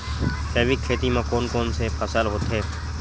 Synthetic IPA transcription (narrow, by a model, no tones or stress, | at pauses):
sɛːʋikʰːeːt̪imãkoːnkoːnsefʰɐsəlɦoːt̪ɦeː